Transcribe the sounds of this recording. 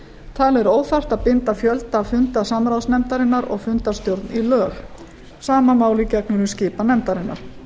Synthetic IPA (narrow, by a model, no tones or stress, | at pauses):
t̪ʰalɛɾoːwθar̥t̪aðpɪnt̪afjœlt̪afʏnt̪asamɾawsnɛmt̪aɾɪnːaɾɔ̰ɣfʏnt̪ast̪jowɾt̪nilœːx | saːmamaːwlicɛk̚nʏɾʏmscɪːpanɛmt̪aɾɪnːa̰ɾ̥